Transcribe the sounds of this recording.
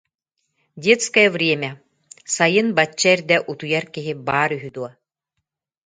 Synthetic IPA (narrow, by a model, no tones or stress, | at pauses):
dʲet̪skɐjɐvɾʲiɛmʲɛ | sajɯnbat͡ɕːaɛɾd̪ɛʔut̪ujaɾkiɦibaːɾyɦyd̪uɔ